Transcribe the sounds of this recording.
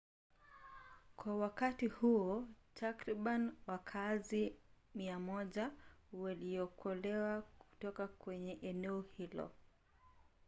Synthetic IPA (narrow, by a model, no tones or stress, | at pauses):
kwawakatihuɔtʰakɾiɓaniwakʰazimiamɔʄawaliɔkʰɔlɛwaku̥tɔkakwɛɲɛʔɛnɛɔhilɔ̰